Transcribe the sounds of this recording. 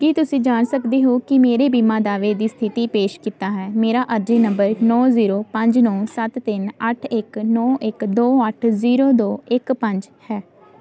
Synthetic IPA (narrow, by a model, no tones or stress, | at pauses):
kiːt̪ʊsĩːd͡ʒaːnsəkd̪eːɦoːkɪmeːɾeːbiːmãːd̪aːʋeːd̪iːst̪ʰɪt̪iːpeːʃkiːt̪aːɦɛːmeːɾaːʔəɾd͡ʒĩːnəmbəɾnɔːziːɾoːpəɲd͡ʒnɔ̃ːsət̪ːɪnəʈʰɪkːɔːʔɪkd̪oːəʈʰziːɾoːd̪oːɪkpəɲd͡ʒhɛː